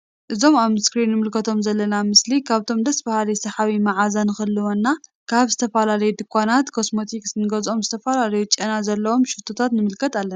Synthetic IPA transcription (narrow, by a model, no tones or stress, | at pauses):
ʔɨzo̞maβmɨskɾinːɨmɨlkʰɐt̪ʰo̞mzɐlːɐnamɨslikʰaβt̪ʰo̞md̪ɐsbɐhalisɐħaβimaʕazanɨxɨlːɨwonːakʰaβzɨt̪ʰɐfɐlalɐjud̪ɨkʰʷːanat̪kʰo̞smo̞t̪ʰiksnɨɡɐzʔo̞mzɨt̪ʰɐfalalɐjut͡ʃʼɐnazɐlːɐwo̞mʃɨt̪ʰot̪ʰat̪nɨmɨlkʰɐt̪alːɐna